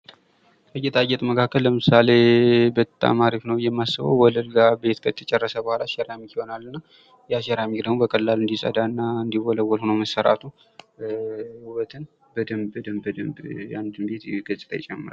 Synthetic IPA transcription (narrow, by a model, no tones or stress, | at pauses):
k̪ʰəjɛt̪ʰʼajɛt̪ʼməkʰakːəlːəmɨsale̞bət̪ʼːa̰maɾifnəwjɛmːasəβə̰wwɔləlɡabe̞t̪kʰət̪ʰət͡ʃʼɛrːəsəbəhalaʃɛɾamikiho̞nalːɨnːa | jɛaʃɛɾamikd̪əɡmobəkʼəlːalɨnd̪isʼə̰d̪anːaɨnd̪iwɔləwːɔlhonəwməsːəɾa̰t̪ʰu | wət̪ʰɨn | bəd̪əməd̪əmbəd̪əmbja̰nd̪ɨmbet̪ɡət͡ʃʼɨ̥t̪ʰa̰jɪt͡ʃʼɛmːɨɾa